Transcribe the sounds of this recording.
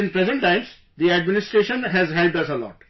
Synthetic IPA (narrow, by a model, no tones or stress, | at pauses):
ɪ̃npɾezə̃ɳʈlãɪ̃ns | d̪iæɖmɪnɪsʈɾeːʃə̃nɦɛzɦɛlp̚ɖʌsəlɔ̰ːʈ